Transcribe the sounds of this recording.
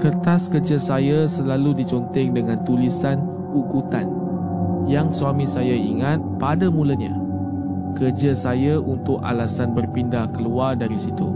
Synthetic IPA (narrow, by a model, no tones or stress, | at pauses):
kərt̪askərd͡ʒasajasəlaludit͡ʃɔnt̪ɛŋdəŋãnt̪ulisan | ukut̪an | jaŋsuamĩsajaiŋat̪̚padamũlaɲã̰ | kərd͡ʒasajaʔunt̪ʊka̰lasanbərpindahkəluardaɾisit̪ṵ